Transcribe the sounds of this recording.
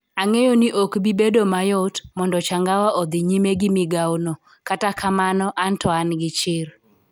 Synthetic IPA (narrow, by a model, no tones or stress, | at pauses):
aŋejoniʔokbibedomajɔtmɔndɔt͡ʃaŋɡawaʔɔd̪ɪɲimeɡɪmɪɡawnɔ | katakamanɔʔantɔanɡɪt͡ʃɪɾ